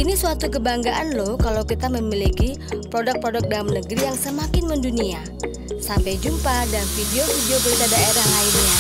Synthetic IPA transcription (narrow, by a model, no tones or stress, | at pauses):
inisuat̪ukəbaŋɡaʔanlohkalawkit̪aməmiliki | pɾodak̚pɾodak̚damnəɡɾijaŋsəmakɪnməndunia | sampajd͡ʒumpadanfideofideobəɾit̪adaeɾahlainɲa